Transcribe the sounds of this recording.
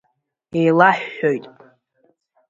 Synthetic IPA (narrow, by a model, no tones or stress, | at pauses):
ejlaħojtʼ